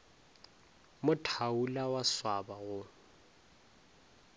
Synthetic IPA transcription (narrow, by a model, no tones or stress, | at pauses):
mʊtʰaulawaswabaɣʊ